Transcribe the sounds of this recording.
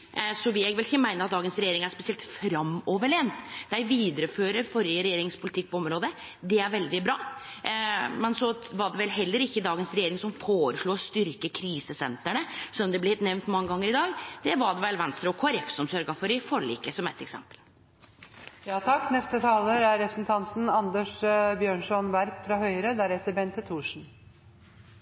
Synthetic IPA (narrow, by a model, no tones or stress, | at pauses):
sɔʋɪɛɡʋɛlɪçəmæɪnəɾɑt̪d̪ɑːɡənsɾɛjeːɾɪŋæspɛsɪɛlt̪fɾɑmɔʋəɭeːnt̪d̪æɪʋiːd̪əɾəføːɾəɾfɔɾəɾɛjeːɾɪŋspʰʊlɪt̪ʰɪk̚ːpʰɔɔmɾoːd̪ə | d̪ɛæɾʋɛld̪ɪbɾɑː | mɛnsɔʋɑɖɛʋɛlɦɛlːəɾɪçːəd̪ɑːɡənsɾɛjeːɾɪŋsɔmfoːɾəʂɭuːst̪ʏɾkəkʰɾiːsəsɛnt̪əɳəsɔnːɔmd̪ɛblɛhɛt̪nɛʋnt̪mɑŋːəɡɑŋːəɾɪd̪ɑːɡd̪̥ɛʋɑɖɛʋɛlʋɛnst̪ɾɑɔkʰoːæɾɛfsɔmsœɾɡɑfɔɾɪfɔɭḭːkəsɔmɛt̪ɛksɛ̰mpəl | jɑːt̪ʰɑkːnɛst̪ət̪ʰɑːləɾæɾɾɛpɾəsn̩t̪ʰɑnt̪n̩ɑnd̪əʂbjøːɳʂɔnʋæɾpfɾɑhœʏəɾəd̪æɾɛt̪ːəɾbɛnt̪ʰət̪ʰuːʂɳ̩